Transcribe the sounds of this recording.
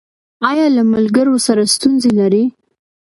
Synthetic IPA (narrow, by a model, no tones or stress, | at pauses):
ɑjɑlamalɡəɾosaɾast̪unzelaɾi